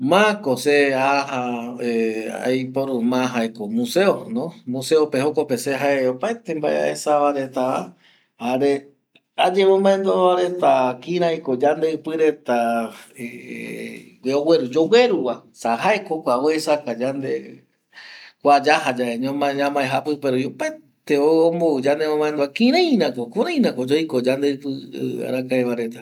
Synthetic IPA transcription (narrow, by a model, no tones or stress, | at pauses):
mãkoseahaea̰jpoɾumãɦaekomũseonõmũseopehokopeseɦaeopaet̪embaḛa̰esaβaɾet̪aa | haɾe | ad͡ʒemõmbãẽnd̪oβaɾet̪akĩɾãjkod͡ʒand̪eɨpɨɾet̪ae | eoweɾud͡ʒowe̞ɾuwasaɦaekokʷawoesakad͡ʒand̪e | kʷad͡ʒaɦad͡ʒaʔeɲãmaɲãmãeɦapɨpeɾojopet̪eoomboud͡ʒand̪emõmãend̪oakĩɾ̃ãj̃nãkokũɾãj̃nãkod͡ʒojkod͡ʒand̪eɨpɨ̰a̰ɾakaeβaɾe̞t̪a